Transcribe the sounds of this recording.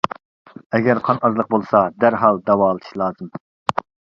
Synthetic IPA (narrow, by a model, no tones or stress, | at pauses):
ɛɡʲæɾqʰɑnɑzlˠəq̚bolˠsɑd̪æɾɦɑlˠd̪ɛwɑːlˠɨt̪ɨ̥ʃlˠɑːzɨm